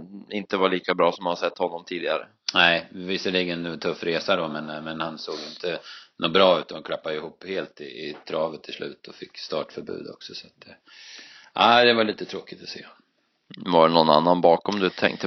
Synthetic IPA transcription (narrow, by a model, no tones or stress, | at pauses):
ɪnt̪əvaɭiːkabɾɑːsɔmhanasɛt̪ːhɔnːɔmt̪ʰiːd̪ɪɡa̰ɾə̰ | næɪvɪsəɭiːɡənt̪ʰɵfːɾeːsaɖɔmɛnmɛnhansoːɡɪnt̪ənuːbɾɑːʉ̟ːt̪anʊnkʰlapːad̪əɪhuːpːheːlt̪ɪɪt̪ʰɾɑːvət̪ʰːɪlslʉ̟̰ːt̪ʰɔfɪkːst̪ɑːʈfœɾbʉ̰ːd̪ɔ̰ksɔsat̪̚d̪ɛ | ʔaːd̪ɛvaɭiːt̪ət̪ʰɾoːkɪt̪ɔ̥sḛː | vaɖnɔnːa̰nːanbɑːkɔmd̪ɵt̪ʰɛ̰ŋk̚t̪ːə